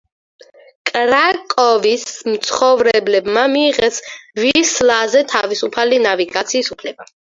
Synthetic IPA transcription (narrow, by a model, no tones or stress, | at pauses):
kʼɾakʼɔvismt̪sʰχɔvɾɛblɛbmamiːʁɛsvislazɛt̪ʰavisupʰalinaviɡat̪sʰiːsupʰlɛba